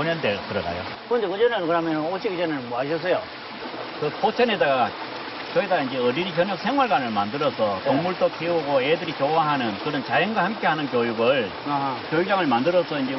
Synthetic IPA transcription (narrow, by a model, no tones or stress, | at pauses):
oɲʌndetɯɾʌda̰jo̰ | kɯɯnd̪ekɯɲd͡ʑʌnɯnkɯɾɦamjʌnɯnot͡ɕʰiɡid͡ʑʌnɯnnmʌaɕ̬ʰʌs̬͈ʌjo | kɯpot͡ɕʰʌnedaɡa | kʌɡedaɡaind͡ʑeʌɾiɾik̬jʌɲʌk̚sʰe̞ŋɦwaɭɡwanɯɭmandɯɾʌsʰʌkoŋmuɭt͈okʰiuɡoedɯɾikjowaɦanɯnkɯɾʌnt͡ɕajʌnɡwahamk͈e̞ɦanɯnkjojuɡɯɭ | kjojuk̚t͡ɕ͈aŋɯɭmandɯɾʌsʰʌind͡ʑe